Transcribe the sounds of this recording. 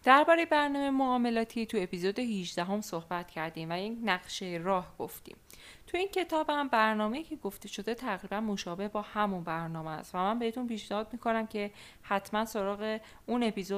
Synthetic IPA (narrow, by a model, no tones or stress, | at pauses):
d̪̥æɾbɒːɾe̞jebæɾnɒːmejmoɒːme̞lɒːt̪ʰit̪ʰue̞pizod̪eɦiʒd̪æɦo̞mso̞hbæt̪cʰæɾd̪iːmvæjecnæɣʃejeɾɒːhɡ̥oft̪ḭːm | t̪ʰujiːncʰe̞t̪ʰɒːbhæmbæɾnɒːme̞iːcʰe̞ɡo̞ft̪e̞ʃo̞d̪e̞t̪ʰæɣɾiːbænmo̞ʃɒːbe̞hbɒːhæmunbæɾnɒːmeæ̰st̪væmænbeet̪ʰunpiːʃnehɒːd̪̚miːkʰo̞næmcʰe̞ | hæt̪ʰmænso̞ɾɒːɣe̞ | une̞pizo